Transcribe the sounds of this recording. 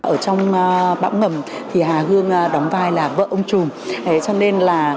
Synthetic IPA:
ʔəː˧˩t͡ɕɔ˧wŋ͡mɓa̰ː˧˥wŋ͡mŋə˨˩m | t̪ʰi˨˩ɦaː˨˩ɦɨ˧əŋ˧ɗɔ˨˦wŋ͡mvaː˧˩jlaː˨˩və̰ː˧˨ʔə˧wŋ͡mt͡ɕʊ˨˩ŋ͡mʔə˨˦t͡ɕɔ˧ne˧nlaː˨˩

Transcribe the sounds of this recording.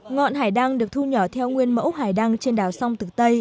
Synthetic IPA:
ŋɔ̰˧˨nɦaː˨˩jɗa˧ŋɗɨ˨˩ək̚t̪ʰu˧ɲɔ˧˩t̪ʰɛ˧wŋwi˧ənmə̰˧˥wɦaː˨˩jɗa˧ŋt͡ɕe˧nɗaː˨˩wsa˧wŋ͡mt̪ɨ˨˩t̪ə˧j

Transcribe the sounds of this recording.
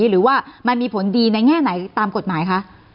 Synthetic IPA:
ɾɯː˩˦waː˥˩ma˧nmiː˧pʰo˩˦ndiː˧na˧jŋɛː˥˩na˩˦jt̪aː˧mko˨˩t̪̚maː˩˦jkʰa˦˥ʔ

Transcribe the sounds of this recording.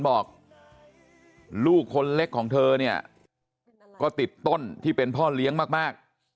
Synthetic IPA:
bɔː˨˩k̚ | luː˥˩kʰːo˧nle˦˥kʰːɔː˩˦ŋt̪ʰɤː˧ni˥˩ɐ | kɔː˥˩t̪i˨˩t̪ːo˥˩nt̪ʰiː˥˩pe˧npʰɔː˥˩li˦˥əŋmaː˥˩k̚maː˥˩k̚

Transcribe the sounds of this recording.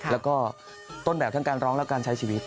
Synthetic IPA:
lɛ˦˥wkɔː˥˩ | t̪o˥˩nbɛː˨˩p̚t̪ʰa˥˩ŋkaː˧nɾɔː˦˥ŋlɛ˦˥wkaː˧nt͡ɕʰa˦˥jt͡ɕʰiː˧wi˦˥t̪̚

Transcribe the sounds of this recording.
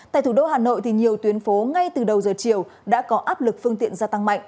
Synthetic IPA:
t̪a̰ː˧˨jt̪ʰu˧˩ɗo˧ɦaː˨˩no̰˧˨jt̪ʰi˨˩ɲi˨˩əwt̪wi˨˦ənfo˨˦ŋa˧jt̪ɨ˨˩ɗə˨˩wzəː˨˩t͡ɕi˨˩əw | ɗa̰ː˧˥kɔ˨˦ʔaː˦˥p̚lɨ˨˩k̚fɨ˧əŋt̪ḭ˧˨ənzaː˧t̪a˧ŋma̰˧˨jŋʔ

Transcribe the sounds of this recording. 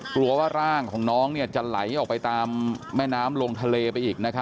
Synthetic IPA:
klu˧ɐwaː˥˩ɾaː˥˩ŋkʰɔː˩˦ŋnɔː˦˥ŋni˥˩ɐt͡ɕa˨˩la˩˦jʔɔː˨˩k̚pa˧jt̪aː˧mːɛː˥˩naː˦˥mlo˧ŋt̪ʰa˧leː˧pa˧jʔiː˨˩k̚na˦˥kʰa˦˥

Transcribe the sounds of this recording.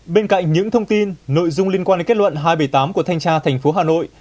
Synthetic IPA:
ɓe˧nka̰˧˨jŋ̟ɲɨ̰˧˥ŋt̪ʰə˧wŋ͡mt̪i˧nːo̰˧˨jzʊ˧ŋ͡mli˧ənkwaː˧ɗe˨˦ke˦˥t̚lwə̰˧˨nɦaː˧jɓə˧˩jt̪aː˨˦mku˧˩ət̪ʰjŋ̟t͡ɕaː˧t̪ʰɛ˨˩jŋ̟fo˨˦ɦaː˨˩no̰˧˨j

